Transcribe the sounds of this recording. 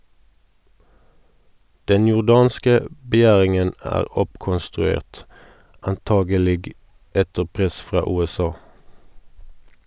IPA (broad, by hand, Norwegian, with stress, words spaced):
ˈdɛn jʊʁˈdɑːnskə ə bəˈjæːʁɪŋən ˈæːʁ ˈɔpkɔnstʁʉˌeːʁt ɑnˈtɑːɡəˌlɪɡ ˈɛtə ˈpʁɛs ˈfʁɑː ˌʉːɛˈsɑː